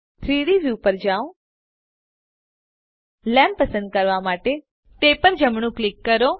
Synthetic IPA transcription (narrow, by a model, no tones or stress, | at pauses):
t̪ʰɾiɾiʋjupəɾd͡ʒaõ | lɛ̃mpəsə̃nd̪̚kəɾʋamaʈe | t̪epəɾd͡ʒəmɳ̃ũklikːəɾo